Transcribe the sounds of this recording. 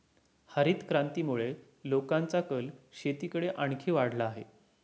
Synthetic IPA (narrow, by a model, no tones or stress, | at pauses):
həɾiːt̪kɾant̪iːmuɭe | lokãnt͡sakəlɕet̪iːkəɽeʔaɳkʰiːʋaɽ̤laːɦḛ